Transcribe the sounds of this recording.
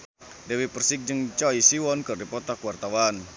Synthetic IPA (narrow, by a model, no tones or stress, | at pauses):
dɛwipərsɪk̚d͡ʒɨŋt͡ʃɔisiwɔnkɨrdipɔt̪akuwart̪awan